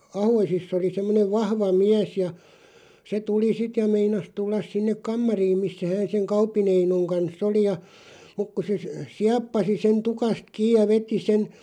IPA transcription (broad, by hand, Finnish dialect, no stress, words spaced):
ɑhoisisː oli semːoneʋ ʋɑhʋɑ miæs jɑ se tuli sit jɑ meinɑs tulːɑs sinːek kɑmːɑriːm misːæ hæːn seŋ kɑupˑin einoŋ kɑnsː oli jɑ muk ku se siɑpːɑsi sen tukɑst kiːj̆ jɑ ʋeti sen